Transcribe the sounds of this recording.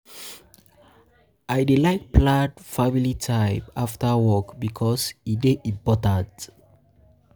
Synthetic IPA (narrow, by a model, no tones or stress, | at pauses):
ʔajdilajk̚pʰladfamilitʰaɪpaftə˞wɔkbikʰɔsideĩpɔtãt